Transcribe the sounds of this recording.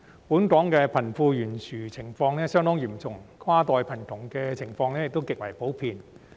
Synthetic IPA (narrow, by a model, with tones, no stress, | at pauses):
puː˨˥nkɔː˨˥ŋkɛː˧pʰɐ˨˩nfuː˧jyː˨˩nsʰyː˨˩t͡sʰɪ˨˩ŋfɔː˧ŋnɛː˥sœː˥ŋt̪ɔː˥ŋjiː˨˩mt͡sʊ˨ŋkʰaː˥t̪ɔː˨˧jpʰɐ˨˩nt̪ʰʊ˨˩ŋkɛː˧t͡sʰɪ˨˩ŋfɔː˧ŋlɛː˥jɪ˨k̚t̪o˥wkɪ˨k̚wɐ˨˩jpo˨˥wpʰiː˧n